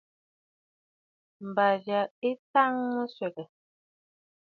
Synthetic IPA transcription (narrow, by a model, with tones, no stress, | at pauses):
m̩˨ba˨vja˨e˦ta˦ŋmə˦sɥwɛ˨kə˨